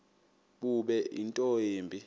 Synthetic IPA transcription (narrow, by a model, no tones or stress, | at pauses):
ɓuɓɛʔḭntʼoeːmbʱi